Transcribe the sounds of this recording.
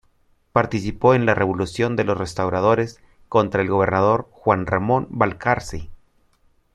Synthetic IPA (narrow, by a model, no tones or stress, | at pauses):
paɾt̪isipo̞e̞nlare̞βo̞lusjo̞nd̪e̞lo̞sre̞st̪awɾað̞o̞ɾe̞s | ko̞nt̪ɾae̞lɣo̞βe̞ɾnaðo̞ɾxwanramõ̞nbalkʰaɾsi